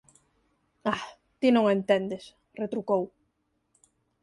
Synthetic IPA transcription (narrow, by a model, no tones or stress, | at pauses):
a | t̪inõŋent̪ɛnd̪es | ret̪ɾukow